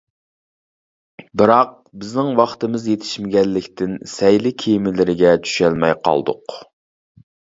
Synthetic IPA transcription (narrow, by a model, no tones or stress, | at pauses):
bɨɾɑq̚ | bɪznɪŋwɑχt̪ɨmɪzjet̪ʰɪ̥ʃmɪɡʲɛlːɪkʲt̪ɪnsɛjlɪkʲʰejmɪlɪɾɪɡʲɛt͡ʃʰy̥ʃɛlmɛjqʰɑ̰lˠd̪ʊ̰q